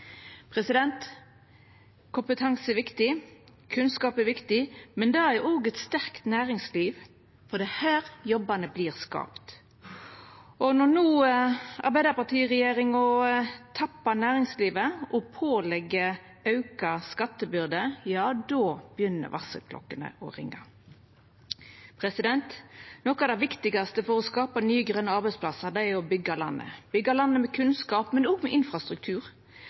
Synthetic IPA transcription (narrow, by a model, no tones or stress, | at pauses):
pʰʁɛsɪd̪ɛnt̪ | kʊmpət̪ʰɑŋsəɛʋɪkt̪ɪ | kʰʉnskɑːpæʋɪkt̪ɪmɛnd̪ɑʔoːɡɛt̪st̪æʁkt̪næːʁɪŋsliːʋ | fɔd̪ɛhæːɾjɔbɑnəbliːʁskɑ̰ːpt̪ | ʔɔnɔnuːɑ̰ɾbæɪd̪əpɑʁt̪ʰiːʁɛjeːɾɪŋɔt̪ʰɑpːɑnæːʁɪŋsliːʋəʔɔpʰoːlɛɡːə | ʔɑʉkɑskɑt̪ːəbʏɾd̪əjɑːd̪oːb̥əjʏnːə̰ɾʋɑsə̰lkʰlɔ̰kːənə̰ʔɔ̰ʁɪŋːɑ̰ | pʰʁɛsɪd̪ɛnt̪nɔkːɑd̪ɛæʋɪkt̪ɪɡɑst̪əfɔʁɔskɑːpɑnyːəɡɾœnəɑɾbɛɪtspʰlɑsəɾd̪ɛæɔbʏɡːɑlɑ̰nːə̰b̥ʏɡːɑlɑnːəmɛkʰʉnskɑːpmɛnɔːɡmɛʔɪnfʁɑst̪ɾʉk̚t̪ʰʉːʁ